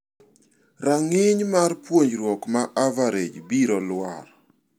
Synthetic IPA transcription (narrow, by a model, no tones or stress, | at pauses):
raŋɪɲmaɾpwoɲɾwɔkmaʔavaɾed͡ʒbiɾɔlwar